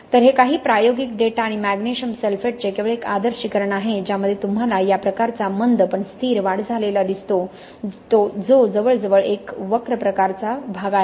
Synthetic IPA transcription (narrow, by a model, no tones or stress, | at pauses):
t̪əɾɦekaɦiːpɾajoɡik̚ɖ̪eʈaɽ̃imæɡneɕəmselfeʈ̚t͡ɕekeʋəɭekad̪əɾɕikəɾɳaɦed͡ʑjaməd̪ʱjet̪umɦalajapɾəkaɾt͡samənd̪pəɳst̪ʰiːɾʋaɽd͡zʱalelad̪ist̪o | t̪od͡zod͡zəʋəɭd͡zəʋəɭekʋəkɾəpɾəkaɾt͡sabʱaɡaɦe